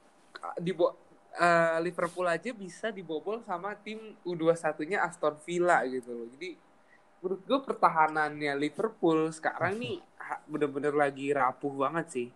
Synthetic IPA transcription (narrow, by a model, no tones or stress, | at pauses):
kdibɔ | əlifərpulad͡ʒabisadibobɔlsamat̪ɪmuduasat̪uɲaʔast̪ɔnfilaɡit̪ulɔd͡ʒadi | məɾut̪̚ɡapərt̪aɦananjalifərpʊlsə̥ka̰ɾaŋnɪhabənanbənərlaɡiɾapʊhbaŋət̪̚sɪh